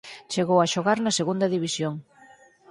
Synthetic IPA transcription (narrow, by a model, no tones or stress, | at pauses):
t͡ʃeɣowaʃoɣaɾnɐseɣund̪ɐðiβ̞isjoŋ